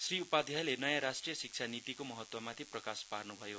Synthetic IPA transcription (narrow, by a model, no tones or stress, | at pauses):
sriupad̪ʱjalenʌjaɾasʈrijʌsik̚t͡ʃʰanit̪ikomʌɦʌt̪wʌmat̪ʰiprʌkasparnubʱʌjo